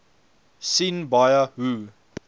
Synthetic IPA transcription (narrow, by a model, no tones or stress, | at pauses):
sinbajəhu